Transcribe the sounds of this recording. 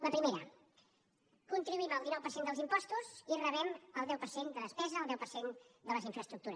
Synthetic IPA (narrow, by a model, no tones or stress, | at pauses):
ləpɾimeɾə̰ | kunt̪ɾiβuiməlˠd̪inɔwpərsend̪əlˠzimpɔst̪uzirəβɛməlˠd̪ɛwpəɾsend̪əðəspɛzəːlˠd̪ɛwpərsend̪ələziɱfɾəst̪ɾukt̪uɾəs